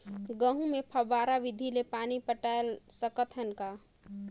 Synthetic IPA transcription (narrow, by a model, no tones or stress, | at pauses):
ɡəɦũmepʰəbaːɾaʋid̪ʱilepaːnipəʈaelsəkət̪ɦənka